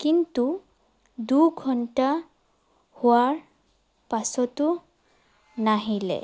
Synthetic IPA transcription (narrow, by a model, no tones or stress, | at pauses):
kintu | duɡʱɔnta | hʊaɹ | pasɔtʊ | naɦilɛ̰